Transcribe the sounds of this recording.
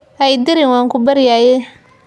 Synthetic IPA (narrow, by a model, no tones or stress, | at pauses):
ʔɛjd̪ɪɾɪnwɑːŋkʰʊbɐɾjaːjɛ